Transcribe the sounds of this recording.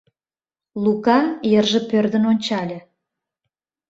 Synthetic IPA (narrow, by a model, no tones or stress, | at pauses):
lukɑjərʒə̆pørd̪ə̆nonʲt͡ɕɑlʲĕ